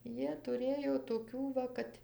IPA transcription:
ˈjiɛ tʊˈrʲeːjoː toːˈkʲuː ʋɐ ˈkɐt

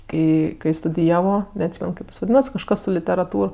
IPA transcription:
ˈkɐɪ kɐɪ stʊdʲɪˈjæːʋoː nʲɛɐtʲˈsʲiːmʲɛn ˈkɐɪp ɪs ʋɐˈdʲiːnɐs kɐʃˈkɐs sʊ lʲɪtʲɛrɐˈtuːr

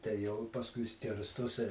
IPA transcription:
tɐɪ ˈjɛʊ ɪ pɐsˈkʊɪ ˈsʲkʲɪrstoːsʲɪ

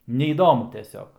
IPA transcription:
nʲɛiːˈdoːmʊ tʲɛˈsʲoːk

